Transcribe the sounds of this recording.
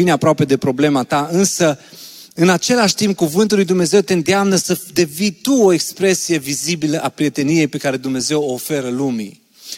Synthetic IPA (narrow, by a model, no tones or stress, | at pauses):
ineapɾoape̞d̪e̞pɾo̞ble̞mat̪aɨnsə | ɨnat͡ʃe̞laʃʲt̪imp̚kuvɨnt̪ulːujd̪umne̞ze̞wt̪e̞nd̪eamnəsəd̪e̞vit̪uo̞e̞kspɾe̞sije̞vizibiləʔapɾije̞t̪e̞nije̞jpe̞kaɾe̞d̪umne̞ze̞woːfe̞ɾəlumḭ